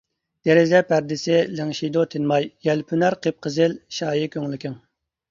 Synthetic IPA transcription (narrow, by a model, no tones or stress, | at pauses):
d̪̥eɾɪzɛpʰæɾd̪ɪsɪlɪŋʃid̪ot̪ʰɪnmɑjj̥ɛlpʰynæɾqʰep̚qʰəzɪlʃɑːjikʲʰøŋlɪkʲʰɪŋ